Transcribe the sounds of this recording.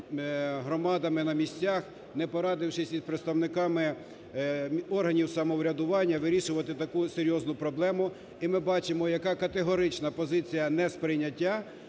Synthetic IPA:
ɦɾɔmɑd̪ɐmɪnɐmʲisʲt͡sʲax | nɛpɔɾɑd̪ɪwʃɪsʲid̪pɾet̪st̪ɐwnɪkɑmɪ | ɔrɦɐnʲiwsɐmɔwɾʲɐd̪ʊʋɑnʲːɐʋɪɾʲiʃʊʋɐt̪ɪt̪ɐkuseɾʲjɔznʊpɾɔblˠɛmʊ | imɪbɑt͡ʃɪmɔjɐkɑkɐt̪eɦɔɾɪt͡ʃnɐpɔzɪt͡sʲijɐnɛspɾɪjnʲːɐtʲːa

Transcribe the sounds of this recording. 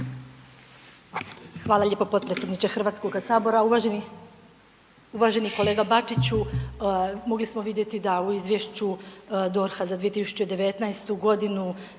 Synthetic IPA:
xʋaːlˠaʎe̞ːpopo̞t̪̚pɾesed̪nit͡ʃexr̩ʋaːt̪sko̞ɡasaːbo̞ɾaua | uʋaːʒe̞niko̞le̞ːɡabat͡ʂit͡ɕu | mo̞ɡlismo̞ʋid̪je̞t̪id̪auizʋʲjeʃt͡ɕud̪o̞ɾxazad̪ʋije̞t̪isu̥t͡ɕed̪e̞ʋe̞t̪naest̪uɡo̞d̪inu

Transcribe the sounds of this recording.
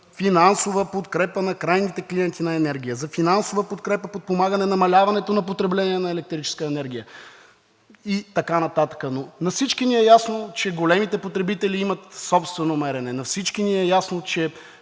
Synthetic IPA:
finansovəpot̪kɾɛpənɐkɾajnit̪ɛkliɛnt̪inɐɛnɛɾɡ̟ʲijəzɐfinansovəpot̪kɾɛpəpot̪̚pomaɡənɛnɐmɐlʲavɐnɛt̪onɐp̬ot̪ɾɛblɛniɛnɐɛlɛk̚t̪ɾit͡ʃɛ̥skəɛnɛɾɡ̟ʲijə | it̪ɐkanɐt̪at̪ə̥kənonɐfsit͡ʃkiniɛjasnot͡ʃɛɡolɛmit̪ɛpot̪ɾɛbit̪ɛliimət̪sɔpst̪vɛnomɛɾɛnɛnɐfsit͡ʃkiniɛjasnot͡ʃɛ

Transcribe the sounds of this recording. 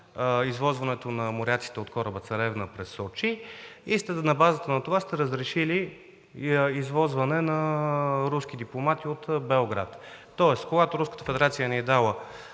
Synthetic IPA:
izvɔzvɐnɛt̪onɐmoɾʲat̪si̥t̪ɛot̪kɔɾəbət̪sɐɾɛvnəpɾɛsːɔt͡ʃiist̪ɛnɐbazət̪ənɐt̪ovast̪ɛɾəzɾɛʃili | izvɔzvɐnɛnɐɾuskid̪iplˠomat̪iot̪bɛoɡɾa̰t̪t̪ɔɛskoɡat̪oɾuskət̪əfɛd̪ɛɾat̪sijəniɛd̪alˠə

